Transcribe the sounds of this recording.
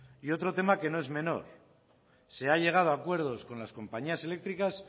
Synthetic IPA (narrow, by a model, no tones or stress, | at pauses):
io̞t̪ɾo̞t̪e̞make̞no̞e̞zmẽ̞no̞̰ɾ | se̞aʎe̞ɣ̞að̞oakwe̞ɾð̞o̞skõ̞nlasko̞mpaɲiase̞le̞k̚t̪ɾikas